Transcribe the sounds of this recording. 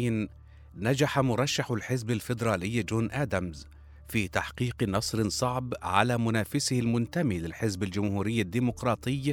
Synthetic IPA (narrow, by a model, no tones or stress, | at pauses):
n | nad͡ʒaħamʊɾˤɑʃːaħʊlħɪzbalfɪd̪ɾˤɑːlɪjːd͡ʒoːnʔaːd̪amz | fiːt̪aħqiːqnɑsˤɾɪnsˤɑʕbʕa̰laːmʊnaːfɪsɪhɪlmʊnt̪amiːlɪlħɪzbald͡ʒʊmhuːɾɪjːad̪ːiːmʊqɾˤɑːt̪ˤɨjː